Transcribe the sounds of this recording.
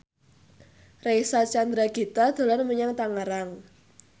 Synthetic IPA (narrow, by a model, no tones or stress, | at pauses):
rejsat͡ʃand̪ɾaɡ̥et̪ad̪̥o̤lanməɲaŋt̪aŋaɾaŋ